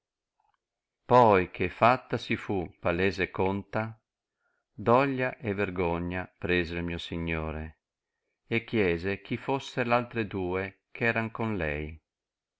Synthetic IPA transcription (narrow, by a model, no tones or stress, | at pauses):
pɔjkʰefat̪ːasifupalɛːzekont̪a | d̪ɔʎːaʔeverɡoɲːapɾeːzelmiːosiɲːoːɾe | ekːjɛːzek̟ifosːelalt̪ɾed̪uːekʰɛːɾaŋkonlɛ̰j